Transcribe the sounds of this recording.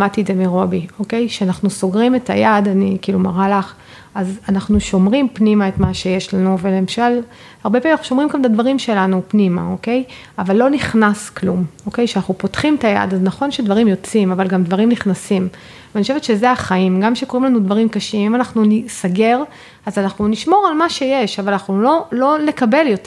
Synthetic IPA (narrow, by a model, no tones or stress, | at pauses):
mat̪iedzemiʁo̞bio̞ke̞jʃeanaχnuso̞ɡʁime̞ta̰jadanikiːlumaʁalaχ | azanaχnuʃo̞mʁimpnimae̞tmaʃe̞je̞ʃlanuvelemʃal | haʁbepaiʃomʁimɡametadvaʁimʃe̞lanupnima̰oke̞j | avalːo̞niχnasklumo̞ke̞jʃeanaχnupo̞tχimtaja̰daznaχo̞nʃedvaʁimjo̞t͡simavalɡamdvaʁimniχnasim | vanioʃevet̪ʃe̞zeaχaimɡamʃeko̞ʁimlanudvaʁimkaʃimimanaχnunisaɡe̞ʁ | azanaχnuniʃmo̞ʁalmaʃe̞je̞ʃavalanaχnulo̞lo̞le̞kabe̞ljo̞t